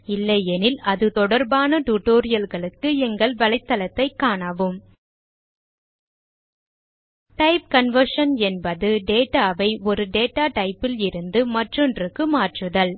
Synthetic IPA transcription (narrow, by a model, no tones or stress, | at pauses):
ɪlːɐjɛnɪlɐðɯt̪ɔɽɐɾbaːnɐʈuːʈːoːɾɪjɐlɣɐɭɯkːɯɛŋɡɐɭʋɐlɐɪt̪ːɐlɐt̪ːɐɪkːaːɳaʋɯm | ʈɐɪp̚kɐnʋɐɾʂɐnɛnbɐðɯɖeːʈːaːʋɐɪɔɾɯɖeːʈːaːʈɐɪpːɪlɪɾɯnd̪ɯmɐʈrɔndrɯkːɯmaːʈrɯðɐl